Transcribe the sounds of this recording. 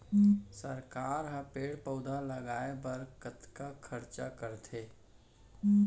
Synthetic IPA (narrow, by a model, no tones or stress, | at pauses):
səɾkaːɾɦə̃peːɽpəʊd̪ʱaləɡaːebəɾkət̪kakʰəɾt͡ʃa̰kəɾt̪ʰeː